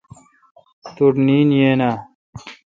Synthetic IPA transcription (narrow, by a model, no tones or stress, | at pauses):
t̪uʈniːnjeːnaː